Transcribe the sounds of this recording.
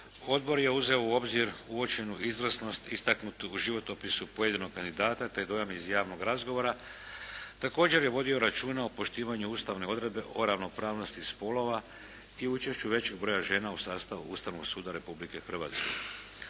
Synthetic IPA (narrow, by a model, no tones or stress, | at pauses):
o̞d̪̚bo̞ɾje̞uze̞ouo̞bziɾuo̞t͡ʃe̞nuʔizʋr̩sno̞st̪ist̪aknut̪uuʒiʋo̞t̪opisupo̞je̞d̪ino̞ɡ̚kand̪id̪aːt̪at̪e̞d̪o̞jamiizjaːʋno̞ɡɾazɡoʋo̞ɾa | t̪ako̞ːd͡ʑe̞ɾje̞ʋo̞d̪io̞ɾat͡ʃuːnaopo̞ʃt̪iːʋaɲuuːst̪aʋne̞o̞d̪ɾe̞d̪̚be̞ʔo̞ɾaʋno̞pɾaːʋno̞st̪ispo̞lo̞ʋa | iut͡ʃe̞ʃt͡ɕuʋe̞t͡ɕe̞ɡ̚bɾo̞jaʒe̞ːnausaːst̪aʋṵuːst̪aʋnoɡsuːd̪aɾe̞publike̞xr̩ʋaːt̪ske̞̰